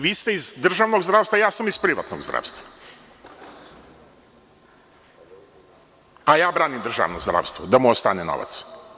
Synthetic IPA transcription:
ʋiːst̪eizd̪r̩ʒaːʋnoɡzd̪ɾaːʋst̪vajaːsamizpɾiʋa̰t̪noɡzd̪ɾa̰ːʋst̪va | ajaːbɾaːnimd̪r̩ʒa̰ʋnozd̪ɾa̰ːʋst̪ʋod̪amuost̪a̰ːneno̰ʋa̰t̪s

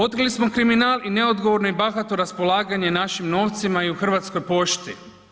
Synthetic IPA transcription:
o̞t̪kɾlismo̞kɾiminaːline̞o̞d̪ɡoʋo̞ɾnoibaxat̪oɾaspo̞laːɡaɲe̞naʃimno̞ːʋt̪simaiuxr̩ʋaːt̪skojpo̞ʃt̪ḭ

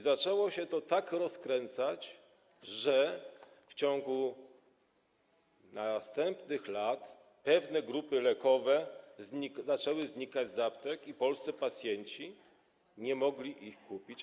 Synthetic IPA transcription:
zat͡ʂɛwɔɕɛt̪ɔt̪akɾɔskɾɛnt̪sat͡ɕ | ʐɛ | ft͡ɕɔŋɡu | nast̪ɛmpnɘxlat̪ | pɛvnɛɡɾupɘlɛkɔvɛzizat͡ʂɛwɘzɲikad͡ʑzapt̪ɛkipɔlst̪sɛpat̪sʲjɛɲt͡ɕi | ɲɛmɔɡlʲiʔixkupʲit͡ɕ

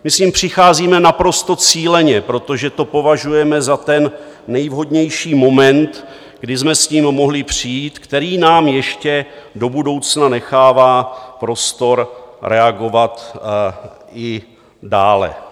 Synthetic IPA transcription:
mɪsɲimpr̝̥ɪxaːziːmɛnapɾo̞st̪o̞t͡siːlɛɲɛpɾo̞t̪o̞ʒɛt̪o̞po̞vaʒujɛmɛzat̪ɛnː | ɛjvɦo̞dɲɛjʃiːmo̞mɛnt̪ | ɡdɪzmɛsɲiːmːo̞ɦlɪpr̝̥ijiːt̪kt̪ɛɾiːnaːmjɛʃcɛdo̞budo̞wt͡snanɛxaːvaːpɾo̞st̪o̞ɾɾʔɛaɡo̞vat̪ | ɪ | daːlɛ̰

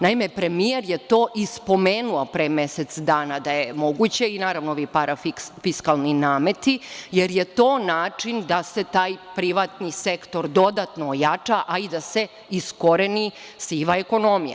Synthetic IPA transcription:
naimepɾe̞mieɾjet̪o̞ːʔispo̞meːnuapɾemeset̪sd̪aːnad̪ajemo̞ɡut͡ɕe̞inaːɾaʋnooʋipaɾafifiskalˠninaːmet̪ijeɾjet̪o̞ːnaːt͡ʂind̪ase̞t̪aːjpɾiʋat̪nisekt̪o̞ɾd̪o̞d̪at̪noːjat͡ʂaʔaid̪ase̞ | isko̞ɾenisiːʋaeko̞no̞mija̰

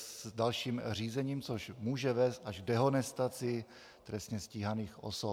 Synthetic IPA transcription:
dalʃiːmr̝iːzɛɲiːmt͡soʃmuːʒɛvɛːst̪ʔaʒɡdɛɦonɛst̪at͡sɪ | t̪ɾɛst̪ɲɛsciːɦaniːxʔo̰so

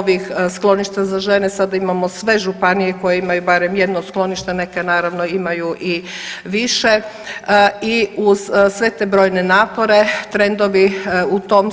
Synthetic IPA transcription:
ʋixsklˠo̞niʃt̪azaʒe̞nesad̪aimamosʋe̞ʒupanijeko̞jeimajubaɾemjed̪nosklˠo̞niʃt̪anekenaːɾaʋnoimajuʔi | ʋiʃe | iuz̥sʋe̞t̪eːbɾo̞ːjne̞naːpo̞ɾe̞t̪ɾe̞nd̪o̞ʋiut̪oːm

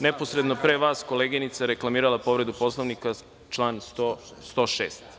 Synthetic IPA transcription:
nepo̞sɾe̞d̪no̞pɾeʋaːsko̞leːɡinit̪saɾeklˠamiːɾalˠapo̞ʋɾe̞d̪upo̞slˠoʋnika | t͡ʃlˠaːnst̪o | st̪o̞ːʃḛːst̪

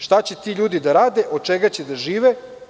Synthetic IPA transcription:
ʃt̪at͡ɕet̪iːʎuːd̪id̪aɾaːd̪eʔo̞d̪̚t͡ʃeɡat͡ɕed̪aʒiːʋe

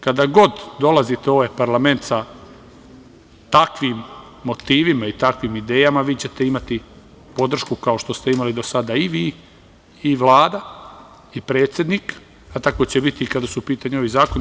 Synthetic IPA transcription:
kad̪aɡo̞d̪d̪o̞lˠazit̪eo̞ʋajpaɾlame̞nt̪sa | t̪akʋimː | o̞t̪iːʋimait̪akʋiːmid̪e̞ːjamaʋiːt͡ɕe̞t̪e̞imat̪i | po̞d̪r̩ʃkukao̞ʃt̪o̞st̪e̞imalid̪o̞sad̪aiʋiː | ʋlaːd̪a | ipɾe̞ːt̪sʲje̞d̪nik | at̪ako̞t͡ɕebit̪ikad̪asupiːt̪aɲeo̞ʋizaːkon

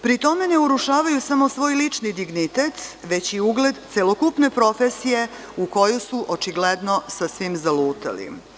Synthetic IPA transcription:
pɾit̪o̞me̞ne̞uɾuʃaːʋajusamo̞sʋo̞ːjlit͡ʂnid̪iɡnit̪et̪ʋe̞t͡ɕiuɡle̞d̪t̪selokupne̞pɾo̞fesije̞ | uko̞jusuʔot͡ʃiɡled̪no̞sasʋimzaluːt̪a̰lḭ

